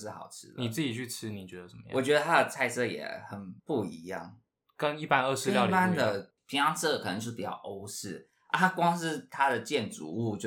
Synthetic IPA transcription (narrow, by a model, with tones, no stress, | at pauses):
ʂɻ̩˥˩xɑ̰˨˩ʊʈ͡ʂʰɻ̩˧˥ni˨˩t͡sɹ̩˥˩t͡ɕi˨˩t͡ɕʰy˥˩ʈ͡ʂ̩ʰ˥ni˨˩t͡ɕɥɛ˧˦d̪ə˧˩sə˨nmə˧j̰wɔ˨˩t͡ɕɥɛ˧˥d̪ə˧t̪ʰa˥d̪ə˨t͡sʰa˥˧ɪsɤ˥˧jɛ̰˨˩xə˨˩npu˥˩i˧˥jɑ̰˥˩ŋ | kə˦ni˥˩pa˦nə˥˧ʂɻ̩˥˧lɑ˥˨˥pa˥nd̪ə˨ | pʰi˨˩ŋʂɑ˥ŋt͡s̩ʰ˥d̪ə˨kʰə˨˩nə˧˦ŋjo˥ʂ̩˥˩pi˨˩t͡ɕɑ̰˥˩ʊʔo˥ʊsɻ̩˥˩ | ʔa̰˥a˥kwɑ˥ŋʂ̬ɻ̩˥˩t̪ʰa˥d̪ə˨t͡ɕjɛ˥˩nt͡sṵ˧˥u˥˧t͡ɕjo˥˧